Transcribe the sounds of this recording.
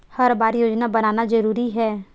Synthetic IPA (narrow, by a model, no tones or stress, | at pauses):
hɐɾbaːɾjoːd͡ʒnabɐnaːnad͡ʒɐɾuːɾiɦɛː